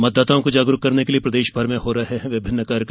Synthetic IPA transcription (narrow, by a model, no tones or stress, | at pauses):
mɐd̪ːaːt̪aõkod͡ʒaːɡɾʊkːɐɾnekeliepɾɐd̪eːʃbʱɐɾmẽɦoːɾɐɦɛɦɛ̃ʋɪbʱɪnːəkaːɾjək